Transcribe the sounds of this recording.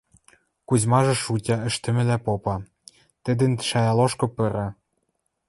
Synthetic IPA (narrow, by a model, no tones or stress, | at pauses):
kuzʲmɑʒɤ̆ʃutʲɑɘ̆ʃt̪ɘ̆mɘ̆læpopɑ | t̪ɘ̆d̪ɘ̆nʃɑjɑloʃkɤ̆pɤ̆ɾɑ